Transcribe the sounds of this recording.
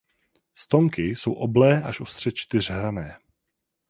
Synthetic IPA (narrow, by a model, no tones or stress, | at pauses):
st̪o̞ŋkɪso̞wʔoblɛːʔaʃʔost̪r̥ɛt͡ʃt̪ɪr̝ɦɾanɛː